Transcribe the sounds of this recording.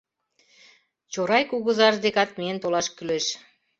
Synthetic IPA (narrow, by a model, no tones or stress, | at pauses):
t͡ɕoɾɑjkuɣɤ̆zɑʒd̪ekɑt̪̚meent̪olɑʃkyleʃ